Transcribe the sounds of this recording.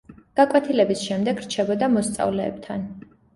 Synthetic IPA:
ɡ̥akʼwɛt̪ʰilɛbisʃɛmd̪ɛɡɾt͡ʃʰɛbɔd̪amɔst̪sʼa̰vlɛ̰ːb̚t̪ʰan

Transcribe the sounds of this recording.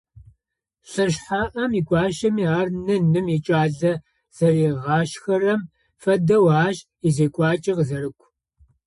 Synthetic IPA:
ɬɨʃħaːʔɐmiːɡʷʼɑːʃɐmiːaːrnɨnɨmit͡ʃʼaːɮɐ | z̥ɐriːʁɑːʃxɐrɐm | fɐdɐwaːʃ | izeːkʷʼɑːt͡ʃʼɪʁzɐɾɨkʷʰ

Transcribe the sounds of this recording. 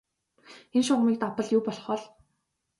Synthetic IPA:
enʃɔʁmiːk̚t̪apə̆ɮjʊːpɔɮɞ̆χɔɮ

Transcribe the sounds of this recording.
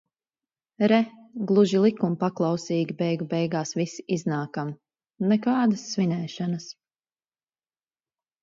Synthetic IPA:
ɾɛ | ɡlˠuʒilˠikumpaklˠɑwsiːɡʲibɛjɡubɛjɡaːsvisi̥ʔiznaːkam | nɛkɑːd̪ɐsːvinɛːʃanɐs

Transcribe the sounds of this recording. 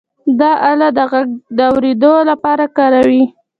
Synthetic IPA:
d̪ɑʔalad̪əɣaɡ̚d̪əawɾed̪olapɑɾakɑɾawi

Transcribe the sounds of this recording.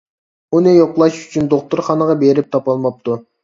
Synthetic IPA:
unejoqlˠɑʃyt͡ʃʰynd̪oq̚t̪uɾχɑnəʁɑbeɾip̚t̪ʰɑpɑlˠmɑp̚t̪ʰu

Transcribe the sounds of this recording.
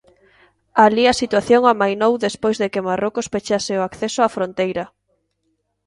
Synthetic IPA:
aliɐsit̪waθjoŋamajnowðespojzðekemarokospet͡ʃasɪʊakθesʊafɾont̪ejɾɐ

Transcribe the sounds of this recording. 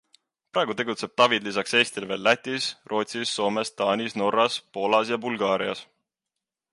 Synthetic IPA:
pɾɑːˑeɡ̥ut̪e̞ɡut̪se̞b̥̚t̪ɑvid̪lisɑkse̞ːst̪ilve̞ːlːæt̪ʲːˑisrʔo̞ːt̪ʲsisːo̞ːme̞st̪ɑːnʲisno̞ɾːɑspo̞lɑsjɑbulɡɑːɾiɑ̰s

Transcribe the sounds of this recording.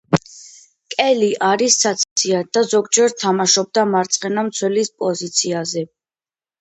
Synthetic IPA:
kʼɛliʔaɾisːat̪ssʰiad̪̥azɔɡd͡ʒɛɾt̪ʰamaʃɔb̚d̪amaɾt̪sʼqʼɛnamt̪sʰwɛlispʼɔzit̪sʰiazɛ

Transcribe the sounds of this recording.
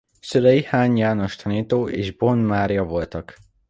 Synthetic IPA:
sølɛjihaːɲjaːno̞ʃt̪ʰɒniːt̪oːʔḛːʒbo̞nmaːɾjɒvo̞lt̪ɒk

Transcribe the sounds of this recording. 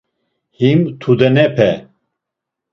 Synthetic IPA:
himt̪ʰud̪ɛnɛpʰɛ

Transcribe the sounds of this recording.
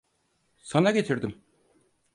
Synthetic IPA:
sanaɡe̞t̪ʰiɾd̪ɪm

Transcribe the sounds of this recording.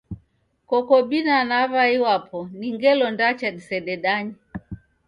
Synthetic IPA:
kɔkɔɓinanavaiwapʰɔniŋɡɛlɔndat͡ʃaɗisɛɗɛɗaɲi

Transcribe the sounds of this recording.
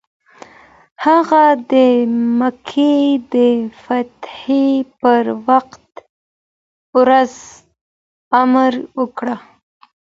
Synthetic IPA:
haɣad̪əmakʰed̪əfat̪hepəɾwaqt̪ | wɾaz | amɾwəkɽa

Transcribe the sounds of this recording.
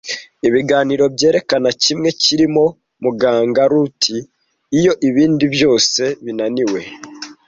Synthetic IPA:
iβiɡaːniɾo̞bje̞ːɾe̞kanacimŋe̞ciɾimo̞ | muɡaːŋɡaɾutʰiː | jo̞ʔiβiːndiβjo̞ːse̞βinaniwe̞

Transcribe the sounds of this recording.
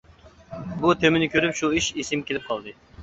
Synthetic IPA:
but̪ʰemɪnɪkʲʰøɾypʃuiʃisɪmkʲelɪp̚qʰɑlˠd̪ɨ

